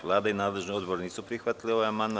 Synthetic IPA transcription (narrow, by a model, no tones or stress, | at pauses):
ʋlaːd̪ainaːd̪ləʒnuɔd̪bɔɾɲit͡supɾixʋat̪liɔaman